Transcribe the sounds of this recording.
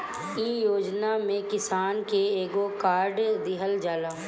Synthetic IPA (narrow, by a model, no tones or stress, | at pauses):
iːjoːd͡ʒnamẽkɪsaːnkeeːɡokaːɾɖd̪ɪɦəld͡ʒaːlaː